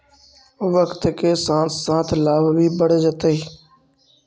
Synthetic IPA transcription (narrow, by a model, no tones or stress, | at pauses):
ʋəkt̪keːsãːssãːt̪ʰlaːʋbʱiːbəɽed͡ʒət̪eiː